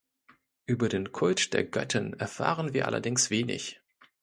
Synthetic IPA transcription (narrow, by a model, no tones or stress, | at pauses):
ʔyːbɐdeːnkʰʊlt͡ʃd̥ḛːɐɡœtʰɪnɛɐfa̰ːʁənviːɐʔa̰lɐ̰dɪŋsv̥eːnɪ̰ç